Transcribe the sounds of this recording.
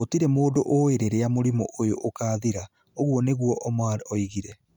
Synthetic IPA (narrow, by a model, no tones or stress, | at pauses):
otiɾɛmoːdoʔoeɾeɾeamoɾimɔ̰ʔojoʔokaːðiɾa | oɣwɔneɣuɔʔɔmaɔiɣiɾɛ